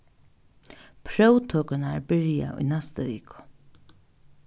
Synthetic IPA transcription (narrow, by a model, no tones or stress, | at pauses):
pʰɾœwt̪ʰøːkənaɹbɪɹɪja̰ʔʊ̰jnɛst̪əʋiːkʊ̥